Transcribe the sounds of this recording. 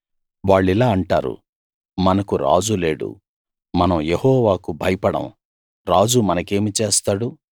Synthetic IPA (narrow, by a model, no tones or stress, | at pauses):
ʋaːɭːilaːɐɳʈa̰ːɾṵ | mɐnɐkuɾa̰ːd͡ʒule̞ːɽṵ | mɐnɐmjehɔːʋaːkubʱɐjɐpɐɽɐ̰m | ɾaːd͡ʒumɐnɐke̞ːmit͡ʃeːst̪aːɽu